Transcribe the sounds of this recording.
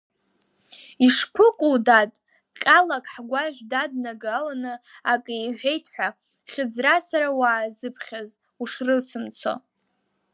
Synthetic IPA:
iʂkʷʰʊkʼudatʼ | qʲʼalakʰʼħɡʷaʒʷᶣdad̚naɡalanɨakʼɨjħʷᶣe̞jtʰħʷᶣa | χʲɪd͡zrasaɾawaːzɨpʰχʲaz | uʂrɨsʰɨmt͡sʰo̰

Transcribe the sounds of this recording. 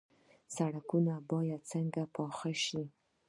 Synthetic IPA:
saɽakunabɑjad̪̚t͡səŋɡapɑxaʃi

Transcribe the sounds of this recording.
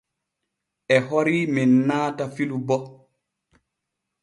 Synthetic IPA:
ʔɛɦoɾiminːaːtafilubɔ

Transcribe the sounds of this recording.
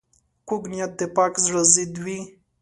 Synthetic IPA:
kuɡnʲjat̪̚ːepakzʐəzid̪wi

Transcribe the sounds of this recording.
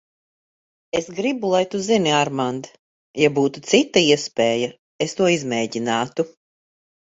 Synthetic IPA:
esɡɾibulˠajt̪uziniaɾmand̪ | jabuːt̪ut̪sit̪ːaiɛspʲɛːja | est̪uɔizmɛːɟinaːt̪u

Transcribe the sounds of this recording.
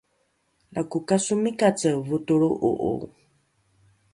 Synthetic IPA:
lakukasumikat͡səvut̪uɺuʔṵʔṵ

